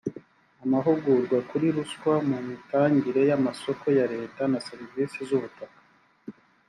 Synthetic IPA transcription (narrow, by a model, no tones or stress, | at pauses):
amaɦuɡuɾɡwakuɾiɾuskwamumitaːɲɟiɾe̞jamaso̞ko̞jaɾe̞ːtanaseɾivisizuβutakḁ